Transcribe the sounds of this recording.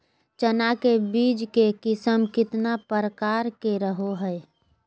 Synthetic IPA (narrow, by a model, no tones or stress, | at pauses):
t͡ʃənakebiːd͡ʒkekɪsəmkɪt̪napəɾəkaːɾkeɾəɦoɦɛ